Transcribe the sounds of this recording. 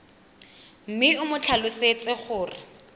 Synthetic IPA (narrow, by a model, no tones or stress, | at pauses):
m̩mɪʊmʊt͡ɬʰalʊset͡sʼɪχʊːrɪ